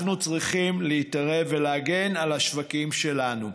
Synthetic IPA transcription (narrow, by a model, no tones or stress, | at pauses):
nut͡sʁiχimleitaʁe̞veleaɡe̞nalhaʃvakimʃelanu